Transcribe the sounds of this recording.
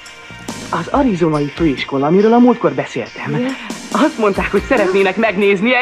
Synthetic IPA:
ɒzɒɾizonɒjiføːiʃko̞lɒːmiɾøːlɒmuːlt̪̚ko̞rbɛsḛːlt̪ɛmɒst̪mo̞nt̪aːkho̞csɛɾɛt̪neːnɛkmɛɡneːzni

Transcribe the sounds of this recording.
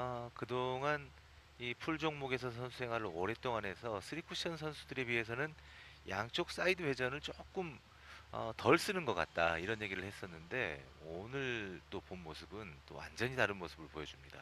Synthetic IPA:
kɯdoŋan | ipʰuɭd͡ʑoŋmoɡe̞s̬ʰʌs̬ʰʌnsʰusʰe̞ŋɦwaɭːoːɾe̞t͈oŋanɦe̞sʰʌsʰɯɾikʰuɕʰʌns̬ʰʌnsʰudɯɾe̞bɥiɦe̞s̬ʰʌnɯn | jaŋt͡ɕ͈ok̚s͈aidɯwe̞d͡ʑʌnɯɭt͡ɕ͈ok͈ɯm | ʌ̰tʌɭs͈ɯnɯnɡʌk͈a̰t̚t͈a̰iɾʌnje̞ɡiɾɯɭhes͈ʌnːɯnde̞ | onɯɭt͈oponmosʰɯbɯnt͈o̰wa̰nd͡ʑʌɲitaɾɯnmosʰɯbɯɭpojʌd͡ʑumɲida

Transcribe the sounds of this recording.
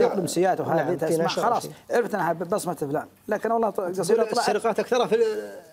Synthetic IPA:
jʊqd̪ɪmsɪjːaːt̪whaːfit̪aʔamaxɑlɑːsˤʕɾɪft̪ʔnːhabɑsˤmɑt̪ɪfla̰ːm | laːkɪnwɑlˤːɑːɡɑsˤiːɾˤlɑʕɾɪqɑːt̪ʔakθɑɾˤɑfi

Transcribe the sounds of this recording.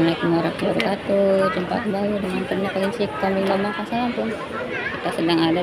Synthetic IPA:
mlakəmoɾakəluɾukat̪ud͡ʒəmpa̰kəmbaludəŋant̪əɲakalinsikkambiŋdamakasalanpʊn | kit̪asədaŋada

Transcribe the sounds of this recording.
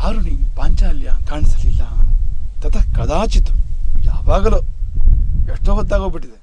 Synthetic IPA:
aːɾuniːnpaːɲt͡ʃaːljakaːɳisɐlilːa̰t̪ɐt̪ʰɐkɐd̪aːt͡ʃit̪u̥la̰ːʋaːɡɐloː | eʂʈoːɦɐd̪ːaːɡoːbiʈːid̪e

